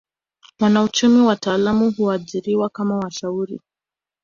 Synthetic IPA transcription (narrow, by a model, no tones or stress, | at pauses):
wanaut͡ʃumiwataːlamuhuaʄiɾiwakamawaʃauɾḭ